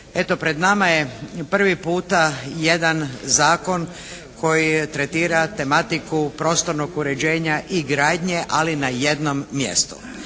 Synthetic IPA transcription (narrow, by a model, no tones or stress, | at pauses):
e̞t̪o̞pɾe̞d̪namaje̞pr̩ʋipuːt̪aje̞d̪anzaːko̞n | kʰo̞jit̪ɾet̪iːɾat̪e̞mat̪ikupɾo̞ːst̪oɾno̞ɡuɾe̞d͡ʑe̞ːɲaʔiɡɾaːd̪ɲe̞ʔalinajed̪no̞mːje̞̰st̪u̥̰